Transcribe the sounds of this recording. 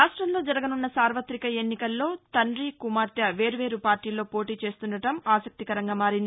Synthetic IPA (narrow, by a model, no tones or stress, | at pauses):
ɾaːʂʈɾɐmlo̞ːd͡ʒɐɾɐɡɐnunːɐsaːɾʋɐt̪ɾikɐe̞nːikɐlːo̞ːt̪ɐnɾiːkumaːɾt̪jɐʋe̞ːɾuʋe̞ːɾupaːɾʈiːlːo̞ːpo̞ːʈiːt͡ʃe̞ːst̪unɖɐʈɐmaːsɐk̚t̪ikɐɾɐŋɡaːmaːɾind̪i